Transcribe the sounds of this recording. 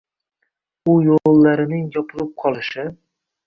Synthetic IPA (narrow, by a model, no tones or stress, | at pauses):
ʊjolˠːaɾɪnɪŋjɒpʰɨlɪp̚qʰɒlˠɪʃɪ